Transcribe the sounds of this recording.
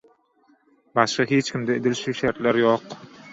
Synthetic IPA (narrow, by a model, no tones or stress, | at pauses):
baʃqɨɦet͡ʃkʲɪmd̪aed̪ɪlʃuʃaɾt̪laɾjoq